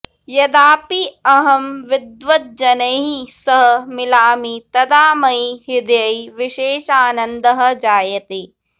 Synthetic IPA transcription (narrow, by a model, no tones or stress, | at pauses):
jɐd̪aːpiɐɦɐmʋɪd̪ʋɐt̪̚d͡ʒɐnɐɦisɐɦɐ̆mɪlaːmit̪ɐd̪aːmɐiɦɪd̪jɐjʋɪʃeːʃaːnɐnd̪ɐɦɐ̆d͡ʒaːjɐt̪eː